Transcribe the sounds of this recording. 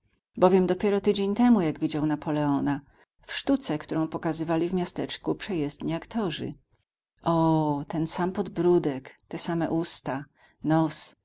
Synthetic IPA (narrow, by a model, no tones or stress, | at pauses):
bɔvʲjɛmd̪ɔpʲjɛɾɔt̪ɘd͡ʑeɲt̪ɛmujaɡvʲid͡ʑawnapʰɔlɛɔna | fʂt̪ut̪sɛkt̪uɾɔ̃w̃pɔkazɘvalʲivmʲjast̪ɛt͡ʂkupʂɛjɛzd̪ɲiakt̪ʰɔʐɘ̰ | ʔɔt̪ɛnsampɔd̪bɾud̪ɛkt̪ɛsamɛʔust̪a | nɔs